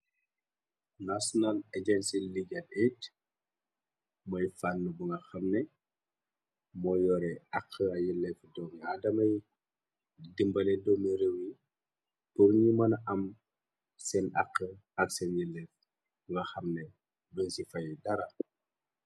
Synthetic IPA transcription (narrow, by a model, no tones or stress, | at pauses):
nasɔnaled͡ʒɛnsiliɡɐnet | mɔjfanːəbuŋɡɐxɐmnɛ | mɔjɔɾɛɐqʰːəɐjilɛfdɔːŋadɐmɐj | dimbɐlɛdɔmiɾəwi | puɾɲimɐnɐʔɐm | sɛnɐqːəɐksɛnjilɛf | buŋɡɐxɐmnɛ | dɔnsifɐjidɐɾɐ